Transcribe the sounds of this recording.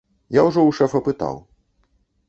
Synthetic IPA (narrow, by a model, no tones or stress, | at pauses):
jawʐɔwʂɛfɐpɨt̪a̰w